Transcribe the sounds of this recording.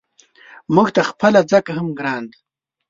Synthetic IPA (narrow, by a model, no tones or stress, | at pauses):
muɡt̪axpəlad͡zəkahamɡɾɑːnd̪